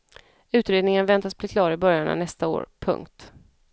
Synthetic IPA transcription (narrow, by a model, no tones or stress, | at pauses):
ʉ̟ːt̪ɾeːd̪nɪŋənvɛnt̪asbliːkʰlɑːɾɪbœɾjaɳa̰nɛst̪ao̰ːɾpʰɵ̰ŋkt̪